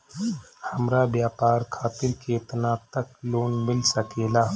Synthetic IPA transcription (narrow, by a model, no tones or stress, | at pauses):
hɐmɾabjaːpaːɾkʰaːt̪ɪɾkeːt̪naːt̪əkloːnmɪlsəkeːlaː